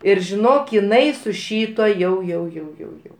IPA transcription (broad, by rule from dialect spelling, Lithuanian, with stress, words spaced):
ˈɪr ʒʲɪˈnoːk ɪˈnɐɪ sʊ ˈʃʲiːtuɔ ˈjɛʊ jɛʊ jɛʊ jɛʊ ˈjɛʊ